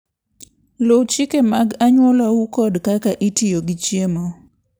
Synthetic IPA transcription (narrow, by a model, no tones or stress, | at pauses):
lowt͡ʃikemaɡaɲwɔlaukɔdkakaʔitijoɡɪt͡ʃjemo